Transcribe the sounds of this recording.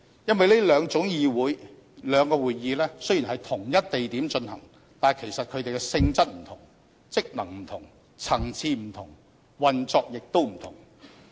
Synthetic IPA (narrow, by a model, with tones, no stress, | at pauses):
jɐ˥nwɐ˨jleː˥lœː˨˧ŋt͡sʊ˨˥ŋjiː˨˧wuː˨˥j | lœː˨˧ŋkɔː˧wuː˨jiː˨˧lɛː˥sɵ˥ji˨˩nɦɐ˨jt̪ʰʊ˨˩ŋjɐ˥t̚t̪e˨jt̪iː˨˥mt͡ʃɵ˧nhɐ̰˨˩ŋ | t̪aː˨˩nkʰe˨˩jsɐ˨t̚kʰɵ˨˧ɥt̪e˨jkɛ˧sɪ˧ŋt͡sɐ˥t̚m̩˨˩t̪ʰʊ˨˩ŋ | t͡sɪ˥k̚nɐ˨˩ŋm̩˨˩t̪ʰʊ˨˩ŋ | t͡sʰɐ˨˩ŋt͡sʰiː˧m̩˨˩t̪ʰʊ˨˩ŋ | wɐ˨nt͡sɔː˧k̚jɪ˨k̚t̪o˥wm̩˨˩t̪ʰʊ̰˨˩ŋ